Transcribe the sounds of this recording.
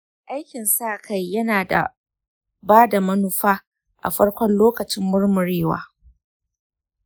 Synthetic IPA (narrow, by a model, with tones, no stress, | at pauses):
ʔa˦jkʲɪ˨nsaː˦˨kʰa˦˨jːɐ˦naː˨da̰˨ | baː˦da˨mɐ˦nʊ˦ɸaː˦ | ʔa̰˨ɸɐ˦ɽkʷɔ˦nloː˦kɐ˨t͡ʃɪ˦mːʊ˦ɽmʊ˨ɽeː˦wa̰ː˦